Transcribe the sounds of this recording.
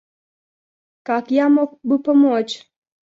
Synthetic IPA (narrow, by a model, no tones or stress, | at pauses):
kakjamok̚bɨpɔmot͡ʃ